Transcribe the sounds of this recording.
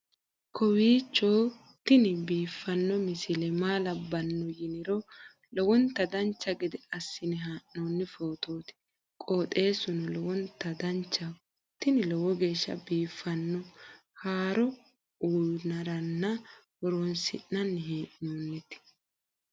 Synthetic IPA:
kʰɔwiːt͡ʃːoː | t̪ːɪnɪbiːfːɐnːɔmɪsɪlɛmaːlɐbːɐnːɔjɪnɪɾɔ | lɔwɔnt̪ɐd̪ɐnt͡ʃːɐɡɛd̪ɛɐsːɪnɪɦaːʔnoːnːɪfoːt̪o̞ːt̪ɪ̥ | kʼoːt̪ʼe̞ːsʊnɔlɔwɔnt̪ɐd̪ɐnt͡ʃːɐ | t̪ɪnɪlɔwɔɡe̞ːʃːɐ̰biːfːɐnːɔ | haːɾɔ | uːnɐɾɐnːɐwɔɾoːnsɪ̰ʔːɐnːɪɦeːʔoːnːɛt̪ɪ̥

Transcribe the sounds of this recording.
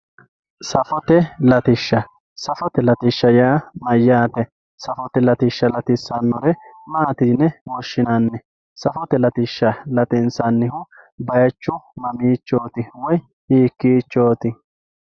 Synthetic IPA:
sɐfɔt̪ɛlɐt̪ɪʃːɐ | sɐfɔt̪ɛlɐt̪ɪʃːɐjaːmɐjːaːt̪ɛ | sɐfɔt̪ɛlɐt̪ɪʃːɐlɐt̪ɪsːɐnːɔɾɛmaːt̪iːnːɛwɔʃːɪnanːɛ | sɐfɔt̪ɛlɐt̪ɪʃːɐlɐt̪ɪnsɐnːɪhʊ | bɐjɐt͡ʃːʊmɐmiːt͡ʃːo̞ːt̪ɪwɔj | hiːkːiːt͡ʃːo̞ːt̪ɪ

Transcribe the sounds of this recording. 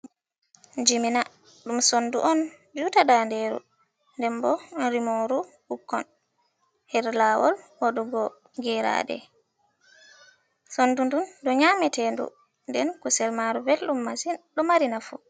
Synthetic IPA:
d͡ʒimina | ɗumsonduʔɔn | d͡ʒutadandɛɾṵ | ndɛmbɔɾimoɾuhukːɔ̰n | hɛɾlawɔ̰lwaɗuɡɔ | ɡɛɾa̰ːdɛ̰ | sondundundɔɲaːmɛtɛndṵ | ndɛnkɔsɛlmaɾuvelɗumːasinɗɔmaɾinafu

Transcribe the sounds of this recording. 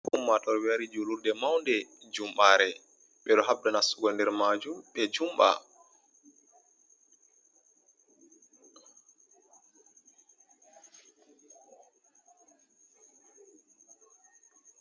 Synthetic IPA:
humːatɔɾwaɾid͡ʒuludɛmawndɛd͡ʒumɓaːɾɛ | ɓɛɗɔɦabdanasuɡɔndɛɾmad͡ʒuɓɛd͡ʒumɓa̰

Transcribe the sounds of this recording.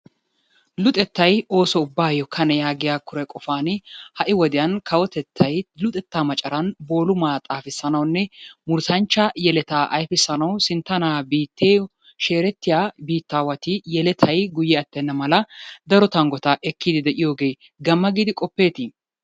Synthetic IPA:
lʊt̪ʼɛt̪ːɐjo̞ːsɔʊbːaːjɔkʰɐnɛjaːɡɪjaːkʊɾɛkʼɔfaːnɪhɐʔɪwɔd̪ɪjɐnkʰɐwɔt̪ɛt̪ʰːɐjlʊt̪ʼɛt̪ːaːmɐt͡ʃʼɐɾɐnbo̞ːlʊmaːt̪ʼaːfɪsːɐnɐwnːɛmʊɾsɐnt͡ʃːɐjɛlɛt̪aːʔɐ̰jfɪsːɐnɐwsɪnt̪ːɐnaːbiːt̪ːeː | ʃe̞ːɾɛt̪ːɪjaːbiːt̪ːaːwɐt̪ɪjɛlɛt̪ʰɐjɡʊjːɛɐt̪ːɛnːɐmɐlɐd̪ɐɾɔt̪ɐŋɡɔt̪ɐʔɛkːid̪ɪd̪ɛʔɪjo̞ːɡe̞ː | ɡɐmːɐɡiːd̪ɪkʼɔpːe̞ːt̪ɪ

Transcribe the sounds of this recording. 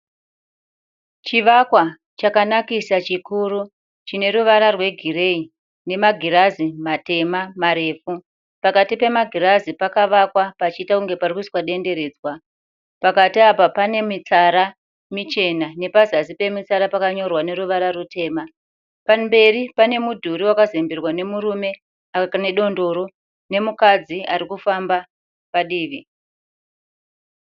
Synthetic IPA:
t͡ʃiʋakwa | t͡ʃakanakisat͡ʃikuɾu | t͡ʃine̞ɾuʋaɾarwe̞ɡʱire̞i | ne̞maɡʱiɾazimate̞mamaɾe̞ːfu | pakatipe̞maɡʱiɾazipakaʋakwapat͡ʃiːtakuŋɡe̞parikuswaɗe̞nde̞ɾe̞ːd͡zwa | pakatiapapane̞mit͡saɾa | mit͡ʃe̞nane̞pazazipe̞mit͡saɾapakaɲo̞rwane̞ɾuʋaɾarutʰe̞ːma | pambe̞ripane̞mudʱuɾiwakazembirwane̞muɾume̞ | ane̞ɗo̞ndo̞ɾo̞ | ne̞mukad͡ziaɾikufamba | paɗiːʋi

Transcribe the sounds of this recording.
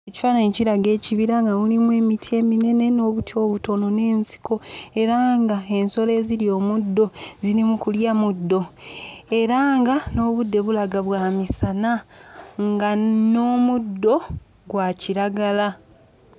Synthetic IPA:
eci̥fananciɾaɡe̞ːciβiɾaŋɡamulimue̞ːmitʰie̞ːmine̞ne̞no̞ːβutʰio̞ːβuto̞no̞ne̞ːnsi̥kʰo̞e̞ɾaːŋɡae̞nso̞le̞ːziljo̞ːmudːo̞ziɾimukuljamudːo̞ | e̞ɾaŋɡano̞ːβudːe̞βulaɡaβwaːmisanaŋɡano̞ːmudːo̞ | ɡwaːciɾaɡala

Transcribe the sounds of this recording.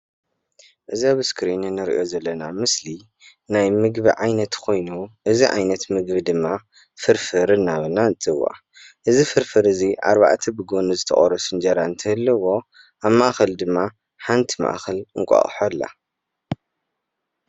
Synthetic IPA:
ʔɨziaβɨskʰɾinɨnːɨɾʔo̞zɐlːɐnamɨsli | najmɨɡbiʕajnɐt̪kʰo̞jnuʔɨziʕa̰jnɐt̪mɨɡbid̪ɨmːa | fɨɾfɨɾɨnːaβɨnaɨnt̪ʰɨɨwːa̰ | ʔɨzifɨɾfɨɾɨziʔa̰ɾβa̰ʕt̪ʰɐbɨɡo̞nuzɨt̪ʰɐ̰χʼɐɾɐsɨnd͡ʒɐɾant̪ʰɨhɨlːɐwo̞ | aβmaʔxɐld̪ɨmːa | ħant̪ʰima̰ʔxɐlɨŋkʼa̰χʼħolːa̰

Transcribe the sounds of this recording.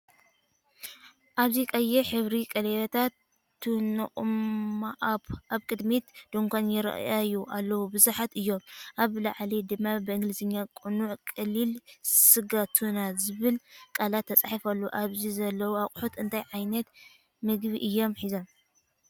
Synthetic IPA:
ʔaβzikʼɐjɛħɨβɾikʼɐlelɐt̪ʰat̪ː | ɨnɨ̰χʼmaʔaβkʼɨd̪mit̪d̪̥oŋkʷʰonjɪɾɐ̰ʔajuʔalːɐwubɨzuħat̪ɨjːo̞mʔaβlaʕlid̪ɨmːabɨɨŋɡlɨzɨɲːakʼunuʕkʼɐlːilsɨɡat̪ʰunazɨβɨlkʼalat̪ʰːɐt͡sʼaħifɐlːuʔaβzizɐlːɐwuaqʼħut̪ɨnt̪ʰajʕajnɐt̪ | mɨɡβiʔɨjːo̞mħizo̞m

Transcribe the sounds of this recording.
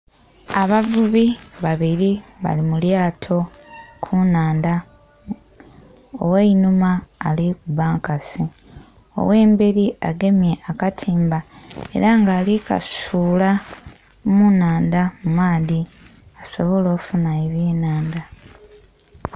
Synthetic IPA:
aβavuβiβaβiɾiβa̰limuljaːtʰo̞ | kʰunaːnda | o̰weinumaːlikuβaːŋkasi | o̞̰we̞ːmbeɾia̰ɡe̞mje̞ʔakatʰiːmbae̞̰ɾaŋɡaːlika̰suːla | munaːndamumaːði | aso̞βo̞lo̞ːkufunaeβjeːnaːnda

